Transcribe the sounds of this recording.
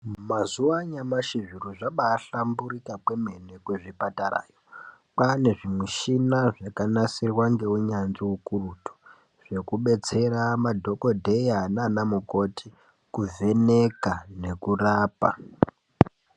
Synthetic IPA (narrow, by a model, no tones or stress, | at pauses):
mazuaɲamaʃiʐiruʐaɓaːɬambuɾikakweme̞nekweʐipatara̰ːjo | pane̞ʐimweʃinaʐakanasirwaŋɡe̞uɲanziukurutu̥ | ʐ̥e̞kuɓe̞t͡se̞ɾamadʱo̞ko̞dʱe̞jananamuko̞tʰi | kuve̞nekane̞kuraːpa̰